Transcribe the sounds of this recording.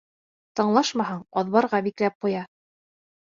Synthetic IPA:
t̪ɤ̆ɴlˠɑʃmɑɦɤɴɒðβɑɾʁɑbiklæp̚qujɑ

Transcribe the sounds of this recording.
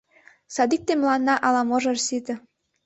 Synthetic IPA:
sɑd̪ik̚t̪emlɑnːɑʔɑlɑmoʒɤ̆rsit̪ə̆

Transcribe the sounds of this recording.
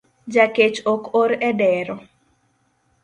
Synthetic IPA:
d͡ʒaket͡ʃokoɾɛdɛɾɔ

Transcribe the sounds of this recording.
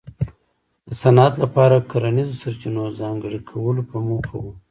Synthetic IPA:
d̪əsanat̪lapɑɾakaɾanizosaɾt͡ʃinozɑŋɡəɽikʰawəlopəmukawu

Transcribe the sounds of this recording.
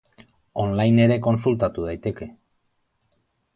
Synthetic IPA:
o̞nlajne̞ɾe̞ko̞nsult̪at̪uðajt̪e̞ke̞

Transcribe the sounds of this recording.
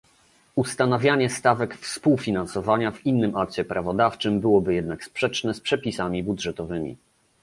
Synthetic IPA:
ust̪anavʲjaɲɛst̪avɛkfspuwfʲinansɔvaɲavinːɘmʔak̚t͡ɕɛpɾavɔd̪aft͡ʂɘmbɘwɔbɘjɛd̪̚nakspʂɛt͡ʂnɛspʂɛpʲisamʲibudʐɛt̪ɔvɘmʲḭ

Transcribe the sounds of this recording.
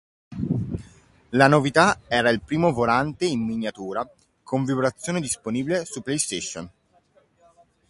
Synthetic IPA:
lanovit̪aɛːɾailpɾiːmovolant̪einminjat̪uːɾa | kʰoɱvibɾat̪sːjoːned̪isponiːbilesupːlejst̪eʃːon

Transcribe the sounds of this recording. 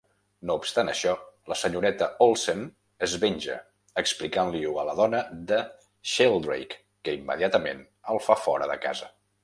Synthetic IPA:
noupst̪anəʃɔləsəɲuɾɛt̪əolˠsen | əzβeɲʲʒə̰ | əksplikanliuələð̞ɔnəd̪ə | ʃelˠd̪ɾḛjkː | əimːə̰ðiat̪əmen | əlˠfafɔ̰ɾəðəka̰zə

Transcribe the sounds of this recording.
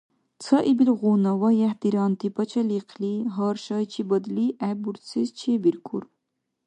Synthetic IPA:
t͡sʰɐʔibilʁunɑwɐjɛhd̪iɾɑːnt̪ipʰɐt͡ʃʰɐliqʰliɦɑːɾʃɑjt͡ʃʰibəd̪liʔæbuɾsʰizt͡ʃʰebiɾkʰṵɾ

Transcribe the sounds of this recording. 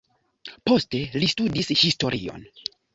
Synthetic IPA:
po̞ste̞listudishisto̞ɾʔḭo̞̰n

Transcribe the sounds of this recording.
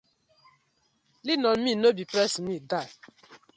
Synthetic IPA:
linɔnminobipɾɛsmida

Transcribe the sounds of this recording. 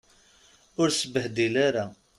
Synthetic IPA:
ʊɾsəbːəhd̪ilaɾa

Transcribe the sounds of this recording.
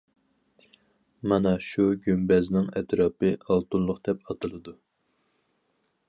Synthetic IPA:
mɑnɑʃuɡʲymbɛznɪŋɛt̪ɾɑːpɨɑlˠt̪unlˠʊqd̪̥ɛpɑt̪ʰɨlˠɨd̪u

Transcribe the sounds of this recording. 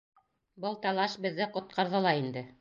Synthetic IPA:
bɤlˠt̪ɑlˠɑʃbɘ̆ðːɘqŏt̪̚qʰɑɾðɤ̆lˠɑind̪ɘ

